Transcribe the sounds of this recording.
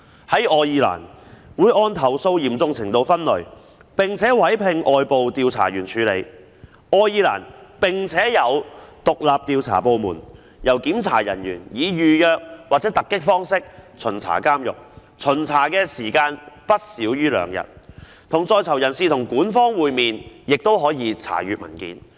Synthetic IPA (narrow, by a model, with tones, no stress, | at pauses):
hɐ˨˥jʔɔː˧jiː˧la̰ː˨˩nwuː˨˧jʔɔː˧nt̪ʰɐ˨˩wso˧wjiː˨˩mt͡sʊ˧ŋt͡sʰɪ˨˩ŋt̪o˧wfɐ˥nlɵ˨˩ɥ | pɪ˨˩ŋt͡sʰɛː˨˥wɐ˨˥jpʰɪ˨˧ŋʔɔː˨˧jpo˨wt̪iː˧wt͡sʰa̰ː˨˩jɥyː˨˩nt͡ʃʰyː˨˧le˨˧j | ʔɔː˧jiː˧la̰ː˨˩npɪ˨˩ŋt͡sʰɛː˨˥jɐ˨˧wt̪ʊ˨k̚laː˨p̚t̪iː˧wt͡sʰa̰ː˨˩po˨˧wmuː˨˩n | jɐ˨˩wkiː˨˥mt͡sʰa̰ː˨˩jɐ̰˨˩njy̰ː˨˩njiː˨˧jyː˨jœː˨˧k̚waː˨t͡sɛː˨˥t̪ɐ˨kːɪ˥k̚fɔː˥ŋsɪ˥k̚t͡sʰɵ˨˩nt͡sʰa̰ː˨˩kaː˥mjʊ̰˨˩k̚t͡sʰɵ˨˩nt͡sʰaː˨˩kɛː˧siː˨˩kaː˧npɐ˥t̚siː˨˥wjyː˥lœ̰ː˨˧ŋjɐ̰˨˩t̚ | t̪ʰʊ˨˩ŋt͡sɔː˧jt͡sʰɐ˨˩wjɐ˨˩nsiː˨t̪ʰʊ˨˩ŋkuː˨˥nfɔː˥ŋwuː˨jmiː˨njɪ˨k̚t̪o˥wɦɔː˨˥jiː˨˧t͡sʰa̰ː˨˩jyː˨t̚mɐ̰˨˩nkḭː˨˥n